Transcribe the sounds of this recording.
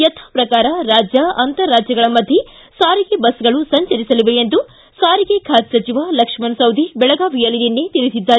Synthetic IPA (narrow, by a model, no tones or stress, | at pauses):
jɐt̪ʰḁːpɾɐkaːɾɐɾaːd͡ʒjɐɐnt̪ɐɾːaːd͡ʒjɐɡɐɭɐmɐd̪ʱje | saːɾiɡe̞bɐsɡɐɭusɐɲt͡ʃɐɾisɐliʋeend̪u | saːɾiɡe̞kʰaːt̪sɐt͡ʃiʋaːlɐkʂmɐnsɐwd̪ʱibɛɭɐɡaːʋijɐlid̪inːet̪iɾisid̪ːaːɾ